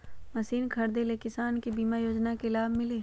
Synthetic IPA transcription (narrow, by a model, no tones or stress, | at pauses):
mɐsiːnkʰɐɾd̪elekɪsaːnkibiːmajoːd͡ʒnakelaːbʱmɪleː